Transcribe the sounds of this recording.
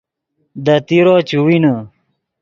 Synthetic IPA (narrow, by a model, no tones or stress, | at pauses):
d̪ɐt̪iɾoːt͡ɕuwinɐ